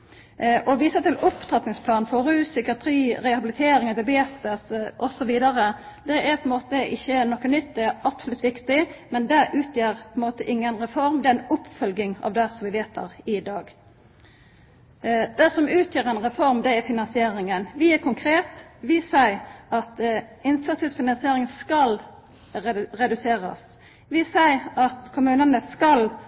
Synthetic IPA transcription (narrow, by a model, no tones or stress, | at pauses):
ʔɔʋiːsət̪ɪlʊpt̪ʰʁɑt̪nɪŋspʰlɑːnfɔɾʉːsʏkɪɑt̪ʰɾiːɾɛhɑbɪlɪt̪ʰeːɾɪŋɑd̪ɪbeːt̪əsʔɔsɔʋiːd̪ɑɾəd̪ɛʔæpʰɔɛnmoːt̪əʔɪçːənɔkːənʏt̪̚d̪ɛɾɑpsʊlʉt̪ːʋɪkt̪ɪmɛnd̪ɛʔʉːt̪ʰjøːɾpʰɔɛnmoːt̪əʔɪŋːənɾɛfɔɾmd̪ɛæɾɛnʊpːfœlɡɪŋɑ̰ːʋd̪ɛsɔmʋɪʋeːt̪̚d̪ɛ̰ɾɪd̪ɑːɡ | d̪̥ɛsɔmʉːt̪ʰjøːɾɛnʁɛfɔɾmd̪ɛæfɪnɑnsɪeːɾɪŋənʋɪæɾkʰʊŋkʰɾeːt̪ʋɪsæɪɑt̪ɪnt̪ʰət̪ɪfɪnɑnsɪeːɾɪŋskɑl | ɾɛd̪ʉseːɾə̰s | ʋɪsæɪɑt̪kʰʊmʉːnənəskɑl